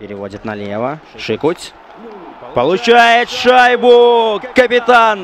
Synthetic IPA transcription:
pʲɪɾʲɪvodʲɪt̪nɐlʲevə | ʂɨkʊtʲ | pəlˠʊt͡ɕæjɪt̪ʂajbʊkəpʲɪt̪an

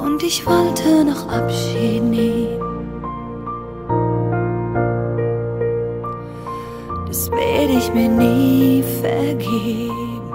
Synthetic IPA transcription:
ʔʊntɪçv̥ɔltʰənɔχʔapʃiːdneːm | d̥asv̥ɛɐɾəɪçmiːɐniːfɛɐɡeː

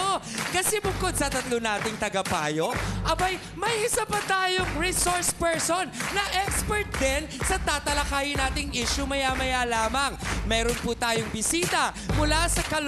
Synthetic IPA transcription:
kɐsɛbʊkod̪̚sɐt̪ɐt̪lonaːt̪ɪŋt̪ɐɡɐpaːjoʔɐbaj | mɐjʔɪsapɐt̪aːjoŋɹisoɹspɛɹsonːɐʔɛkspɛɹt̪̚d̪ɛnsɐt̪aːt̪ɐlɐkaːjɪnaːt̪ɪŋʔiʃʊmɐjaːmɐjaːlaːmɐŋmɛːɾonpʊt̪aːjoŋbɪsiːt̪ɐmʊlasɐkɐl

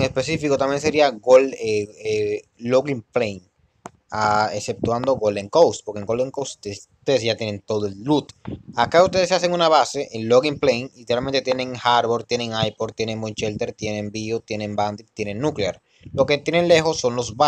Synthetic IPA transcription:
ŋespesifikoambje̞ns̬e̞ɾiaɡoleeloɣiŋplejn | aese̞p̚t̪wand̪o̞ɣoleŋkowst̪̚poɾkeŋɡoleŋkowse | t̪eðeʝat̪je̞ne̞nt̪o̞ðoellut̪akaust̪e̞ðesaseŋunaβase̞ʔenloɣimplejnlit̪eɾalmnt̪e̞t̪jenẽ̞ŋhaɾβoɾt̪je̞ne̞ŋajpoɾ̚t̪jeneŋmunt͡ʃelt̪eɾt̪je̞nẽ̞mbiot̪je̞ne̞mband̪it̪je̞nẽ̞nːukleaɾ | loke̞t̪je̞nenle̞xo̞sːo̞nlo̞zβa

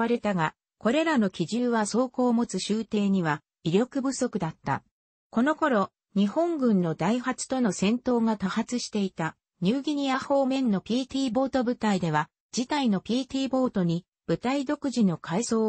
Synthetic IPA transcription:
aɾe̞t̪aɡa | ko̞ɾe̞ɾano̞kʲiʑɨːβaso̞ːko̞ːmo̞t͡sɨɕɨːt̪e̞ːɲ̟iβ̞a | b̥ʲiɾʲo̞kɯ̟bɯ̟so̞kɯ̟d̪at̪ːa̰ | ko̞no̞ko̞ɾo̞ | ɲ̟ihõ̞ŋɡɯ̟̃nːo̞d̪aihat͡sɨ̥t̪o̞no̞sẽ̞nt̪o̞ːɡat̪ahat͡sɨɕi̥t̪e̞it̪a | ɲ̟ɨːɡʲiɲ̟iaho̞ːmẽ̞nːo̞pʲiːt̪ʲiːbo̞ːt̪o̞bɯ̟t̪aid̪e̞β̞a | d͡ʑit̪aino̞pʲiːt̪ʲiːbo̞ːt̪o̞ɲ̟i | b̥ɯ̟t̪aid̪o̞kɯ̟ʑino̞kʰaiso̞ː

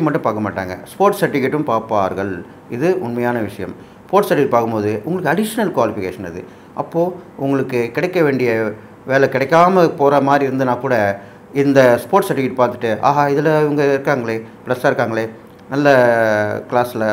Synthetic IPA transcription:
mːɐʈːɯ̃paːkːɐmaːʈːa̰ːŋɡɐ̰spoːɾʈsɐʈːɪkɪʈːɯmpaːpːaːɾɣɐɭ | ɪðɯʊnmɐjaːnɐʋɪʂɐjɐ̰m | spoːɾʈsɐʈːɪkɪʈpaːɾkːɯmpoːðɯʔʊ̰ŋɡɐɭɯkːɯɐɽɪʂɐnɐlkʋaːlɪfɪkḛːʂɐnɪ̰ðɯ̰ | ʔɐ̰pːoːʊŋɡɐɭɯkːɯkɪɽɐɪkːɐʋeːɳɖɪjɐ | ʋeːlɛkɪɽɛkːaːmɐpoːɾɐmaːd̪ɾiɪɾɯnd̪ɯnaːkuːɽɐ | ɪnd̪ɐspoːɾʈsɐʈːɪkɪʈːpaːɾt̪ɯʈːɯʔa̰ːɦaɪðɯlɐʊŋɡɐɪɾɯkːaːŋɡɐɭeːplɐsaːɪɾɯkːaːŋɡɐɭeː | nɐlːɐkɪɭaːsɪlɐ

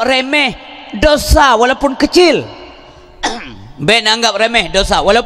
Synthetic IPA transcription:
remɛhdosawalaupʊnkət͡ʃɪl | bɛnaŋɡap̚remɛhdosawala

